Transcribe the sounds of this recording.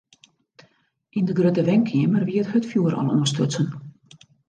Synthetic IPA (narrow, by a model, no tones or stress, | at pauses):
ʔindəɡrøtəʋɛŋkʰɪəmərʋiəthətfjuəɾɔ̰lˠṵənstøsən